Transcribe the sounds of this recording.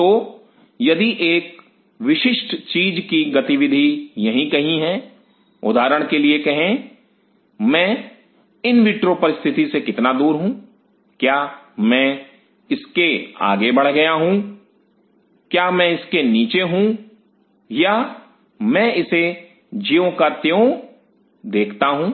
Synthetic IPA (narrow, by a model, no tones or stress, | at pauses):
t̪oː | jɐd̪iʔeːk̚ | ʋɪʃɪʃʈt͡ʃiːd͡ʒkiɡɐt̪iʋɪd̪ʱijɐɦĩkɐɦĩɦɛ | ʊ̰d̪ʱaːɾəɽ̃keliekɐɦẽ | mɛ̃ː | ɪnʋiːʈɾopɐɾɪst̪ʰɪt̪isekɪt̪nad̪uːɾɦũː | kjaːmɛ̃ | ɪskea̰ːɡebɐɽ̤ɡɐjaɦũː | kjaːmɛ̃ɪskeniːt͡ʃeɦũ | ja | mɛ̃ːɪse | d͡ʒijõkat̪jeo | d̪eːkʰt̪aɦũː